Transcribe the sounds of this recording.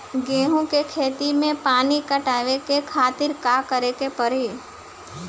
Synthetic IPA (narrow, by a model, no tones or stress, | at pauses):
ɡẽːɦõkekʰeːt̪imẽpaːnikəʈaːʋekekʰaːt̪ɪɾkaːkəɾekepəɾi